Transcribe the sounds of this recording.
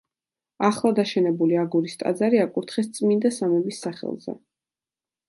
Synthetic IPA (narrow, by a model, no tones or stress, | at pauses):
aχlˠad̪aʃɛnɛbuliaɡuɾist̪ʼa̰d̪zaɾiakʼuɾt̪ʰχɛst̪sʼmind̪asamɛbisːaχɛ̰lˠzɛ̰